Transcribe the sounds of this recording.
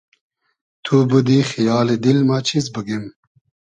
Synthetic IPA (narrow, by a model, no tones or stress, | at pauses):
t̪ʰubud̪ixijɑːled̪ilmaːt͡ɕʰizbəɡim